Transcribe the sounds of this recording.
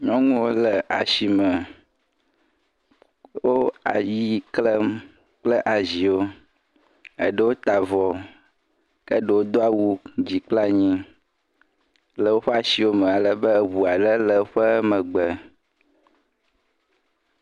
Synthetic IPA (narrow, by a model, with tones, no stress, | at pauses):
ɲɔ̃˦ŋũ˦wo˦lə˨ʔa̰˨ʃi˨mə̃˨ | wo˦a̰˨ji˦klə˦ | k͡plə˦ʔa˨zi˨wo˦ | ə̰˨ɖə˦wo˦t̪a˨vɔ˨ | kə˦ɖə˨wo˦d̪o˦a˨wu˦d͡ʑi˨k͡pla˦˨ɲĩ˦ | lə˨wo˦ɸɛ˦a˨si˨wo˦mə̃˨a˨lə˨bə˦˨βu˨a˨lə˦lə˨˦ɸə˦mə̃˨ɡ͡bə˨